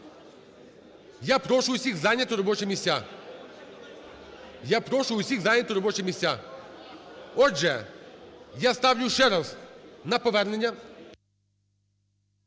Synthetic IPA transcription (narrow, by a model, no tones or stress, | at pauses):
japɾoʂʊʊsʲixzanʲət̪ʊɾɐbot͡ʃɪmʲɪsʲa | japɾoʂʊʊsʲiɣzanʲət̪ʊɾɐbot͡ʃɪmʲɪsʲa | oʐɛ | jast̪avlʲʊʂɛɾəsnɐpɔvʲɛrnənʲjə